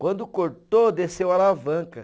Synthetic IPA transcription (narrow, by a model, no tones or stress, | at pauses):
kwɐ̃nd̪ʊkoɾt̪od̪esewalavɐ̃kɐ